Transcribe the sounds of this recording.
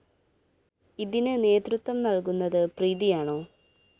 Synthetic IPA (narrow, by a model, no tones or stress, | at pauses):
iðinɨne̞ːt̪rut̪ʋɐmnɐɭk̬unːɐðɨpriːðijaːɳoː